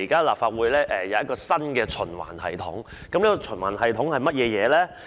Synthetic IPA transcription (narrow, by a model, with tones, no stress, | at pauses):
iː˨˩kaː˥laː˨p̚faː˧t̚wuː˨˧jlɛː˥ʔɛː˨jɐ˨˧wjɐ˥t̚kɔː˧sɐ˥nkɛː˧t͡ʃʰɵ˨˩nwa̰ː˨˩nhɐ̰˨˩jt̪ʰʊ̰˨˥ŋ | kɐ˨˥mliː˥kɔ˧t͡ʃʰɵ˨˩nwaː˨˩nɦɐ˨jt̪ʰʊ˨˥ŋhɐ˨jmɐ˥t̚jɛː˨˧jɛː˨˧lɛː˥